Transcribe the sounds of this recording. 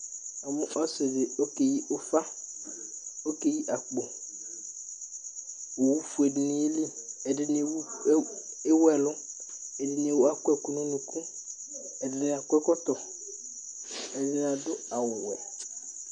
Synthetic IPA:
a˨mʊ̃˦ʔɔ˦se˨dɪ˨o˦ke˨ji˦o˦fa˦ | o˦ke˦ji˦ʔa˨k͡po˨ | wo˨wu˦fu˨e˨dɪ˨nĩ˨e˦li˦ɛ˨dɪ˦n˦e˨w | e˦wɛ˨lʊ˦ | ɛ˨dɪ˨n˨e˨wo˨˦a˦kɛ˦kʊ˨nʊ̃˦nũ˨kʰũ˦ | ɛ˨dɪ˦nɪ˦˨a˨kʊ˦ɛ˦kɔ˦t̪ɔ˨ | ɛ˨dɪ˦n˦a˨dʊ˦a˨wʊ˨wɛ˨

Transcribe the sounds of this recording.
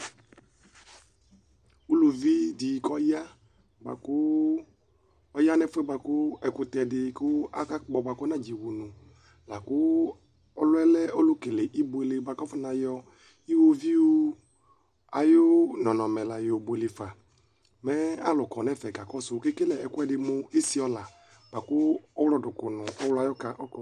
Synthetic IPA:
u˦lu˨vi˦di˨kɔ˦ja˦ | ba̰˨kʊ˦ | ɔ˦ja˦nɛ̃˦fɛ˦ba˨kʊ˦ɛ˨kʊ˨t̪ɛ˨dɪ˨kʊ˦a˦ka˦k͡pɔ˨ba˨kɔ˦nã˦d͡ʒi˨wu˨nũ˨ | la˨kʊ˦ | ɔ˦lɛ˦lɛ˦ʔo˦lʊ˦ke˨le˨ʔi˦bo˦˨e˨le˨ba˨kɔ˦fʊ˦nã˨jɔ˨ | i˦wo˦vi˦o˦ | a̰˨jo˦nɔ̃˨nɔ̃˨mɛ˨la˨jo˨bo˨e˨le˨fa˨ | mɛ˦a˦lʊ˨kɔ˨nɛ˦˨fɛ˨ka˨kɔ˦sʊ˨˦kɪ˦ke˦lɛ˨ɛ˨kʊ˦ɛ˦dɪ˨mʊ˨e˦si˦ɔ˦la˨ | b̥a˨kʊ˦ɔ˦wlɔ˦˨dʊ˨kʊ˨nʊ̃˨ɔ˦wlʊ˦a˨jɔ˦ka˨ʔɔ˦kɔ˨

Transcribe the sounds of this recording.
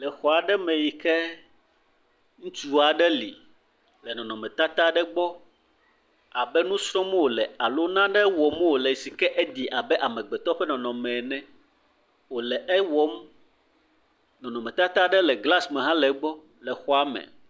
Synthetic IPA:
lɛ˨xɔ˨a˨ɖɛ˦mɛ̃˨ji˨kɛ˦ | ŋũ˦t͡ʃu˦a˨ɖɛ˦lḭ˨ | lɛ˨nɔ̃˨nɔ̃˨mɛ̃˨t̪a˦t̪a˦ɖɛ˦ɡ͡bɔ˦ | a˨bɛ˦nũ˦sɾɔ̃˦m˦wo˨lɛ˨a˨lo˦nã˦ɖɛ˦wɔ˨m˦wo˨lɛ˨si˨kɛ˦ʔɛ˦d̪i˨ʔa˨bɛ˦ʔa˨mɛ̃˨ɡ͡bɛ˨t̪ɔ˦ɸɛ˦nɔ̃˨nɔ̃˨mɛ̃˨nɛ̃˦ | wo˨lɛ˨ʔɛ˦wɔ˦m | nɔ̃˨nɔ̃˨mɛ̃˨t̪a˦t̪a˦ɖɛ˦lɛ˨ɡla˦smɛ̃˨ɦã˦lɛ˨˦ɡ͡bɔ˦ | lɛ˨xɔ˦a˦mɛ̰˨

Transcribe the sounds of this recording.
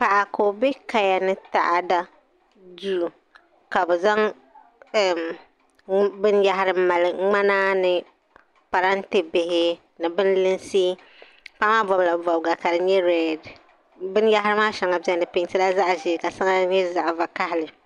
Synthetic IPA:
pa˨ʔa˨ko˨bɛ˦ka˨ja˨nɨ˦ta̰˨ʔa˨da˦ | du˦˨ | ka˨bɛ˨za˦ŋ˨ | bɨ˦n˦ja˦ɦa˦ɾɨ˦ma˨lɨ˨ŋ͡ma˦naː˦nɨ˨ | pa˨ɾa˦n˦tɪ˦bɪ˨hɪ˦ | nɨ˨bɨ˦n˦lɨ˦n˦si˦ | pa˦maː˦bɔ˨bla˨bɔ˨bɡa˨ka˨dɨ˨ɲɛ˦ɾɛ˦d | bɨ˦n˦ja˦ɦa˦ɾɨ˦maː˦ʃa˨ŋa˨bi˦ɛ˦n˨dɨ˨pɪ˦ŋtɨ˦la˦za˦ʔʒɛ˨ka˨sa˦ŋa˦ɲɛ˦za˨ʔva˨ka˦hɪ˨lɨ˨

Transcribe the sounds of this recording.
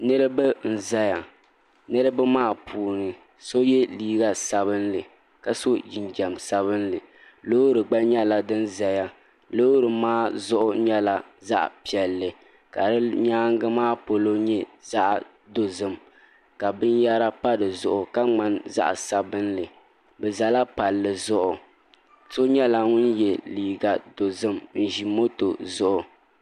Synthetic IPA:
nɨ˦ɾɨ˦bɨ˦n̩˨za˦ja˨ | nɨ˦ɾɨ˦bɨ˦maː˦˨pʰuː˨nɨ˨ | so˦jɛ˦liː˦ɡa˦˨sa˨bɨ˦nlɨ˨ | ka˨so˦ji˨nd͡ʒɛ˨msa˦βɨ˦nlɨ˨ | lo˦ɾɨ˨ɡ͡ba˦ɲɛ˦la˨dɨ˦n˦za˨ja˨ | lo˦ɾɨ˨maː˦zʊ˦ʔʊ˦ɲɛ˦la˨za̰˦ʔpi˨ɛ˨lːɨ˨ | ka˨ɾɨ˦ɲaː˦ŋ˦ɡɨ˦maː˦po˨lo˦ɲɛ˦za˦ʔ | do˦zɨ˦m | ka˨bɨ˦nja˦ɾa˦pa˦dɨ˨zʊ˨ʔʊ˨ka˦ŋ͡ma˦nza̰˦ʔsa˨bɨ˦nlɨ˨ | bɛ˨za˨la˦pa˨lːɨ˨zʊ˦ʔʊ˨ | so˦ɲɛ˦la˨ŋʊ˦n˦jɛ˨liː˨ɡa˨do˨zɨ˦mn̩˨ʒi˨mo˦to˨zʊ˦ʔʊ˨

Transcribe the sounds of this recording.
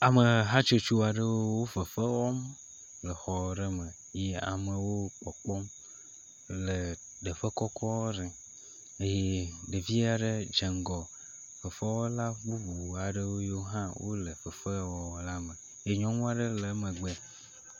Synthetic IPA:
a˨mə˨ɦã˦t͡ʃo˦t͡ʃu˦˨a˨ɖə˦wo˦wo˦və˨fe˦wɔ˦m | lə˨xɔ˨ɖe˦mə̃˨ | je˦a̰˨mə̃˨wo˦k͡pɔ˨k͡pɔ˦m | le˨ | ɖe˨ɸe˦kɔ˦kʰɔ˦wo˦ɖɛ˨ | e˦je˦ɖe˨vi˦a˨ɖe˦d͡ʒe˨ŋ˨ɡɔ˨ | fə˨fe˦wɔ˦la˦bu˦vu˨a˨ɖə˦wo˦je˦wo˦ɦã˦wo̰˦lə˨fə˨fe˦wɔ˨la˦mẽ˨ | je˦ɲɔ̃˦ŋũ˦a˨ɖə˦le˨˦mẽ˨ɡ͡be˦

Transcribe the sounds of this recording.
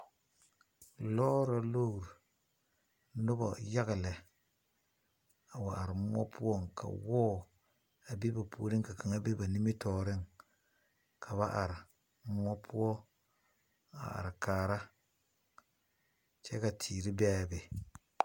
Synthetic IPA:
lɔ˦ɾa˦lo˦˨ɾ | nʊ˦bɔ̰˨ja˦ɡɪ˨lɛ˨ | a˨wa˨a˨ɾɪ˨m˦ɔ˦pʰu˦ɔ˦˨ŋkʰa̰˨wɔː˦ | a˨bi˦ba˨pu˦ɾɪ˦ŋka˨ka˨ŋa˦be˦ba˨ni˦mɪ˦tɔː˨ɾɪ˦ŋ | kʰa˨βa˦ʔa˨ɾɪ˨˦ | m˦ɔ˦pʰu˦ɔ˦ | a̰˨a̰˨ɾɪ˨kaː˨ɾa˦ | t͡ʃɛ˦ka˨tʰiː˨ɾi˦bɛ˦˨be˨

